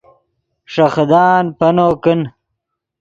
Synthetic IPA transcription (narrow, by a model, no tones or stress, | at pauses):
ʂɐxd̪aːnpɐnoːkin